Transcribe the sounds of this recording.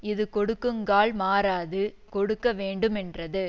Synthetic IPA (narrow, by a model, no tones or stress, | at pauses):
ɪðɯkɔɽɯkːɯŋɡaːɭmaːɾaːðɯ | kɔɽɯkːɐʋeːɳɖɯmɛndrɐðɯ